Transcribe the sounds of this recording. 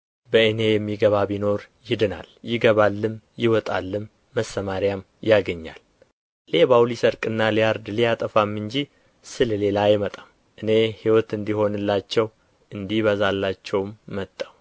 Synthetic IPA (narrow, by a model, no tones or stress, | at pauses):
bəɨne̞jɛmːiɡəβabino̞ɾ | jɪd̪ɨna̰ljɪɡəβalːɨm | jɪwɔt̪ʼalːɨmː | əsːəmaɾjam | jaɡəɲːa̰l | le̞βawlisəɾkʼɨnːalijaɾd̪lijat̪ʼəfamːɨɲd͡ʒi | sɨlle̞lajɪmət̪ʼam | ʔɨne̞hiwɔt̪ɨnd̪iho̞nɨlːat͡ʃːɛw | ʔɨnd̪ihβəzalːat͡ʃːɛwmːət̪ʼːaw